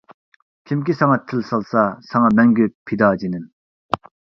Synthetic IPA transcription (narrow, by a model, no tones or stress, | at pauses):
kʲʰimk̬ʲisʰaŋɑt̪ʰəlsalsasʰɑŋɑmæŋɡʲøpʰid̪ɑd͡ʑinən